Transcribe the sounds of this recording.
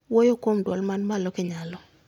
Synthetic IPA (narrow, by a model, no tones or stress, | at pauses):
wojokomdwɔlmanmalɔkɛɲalɔ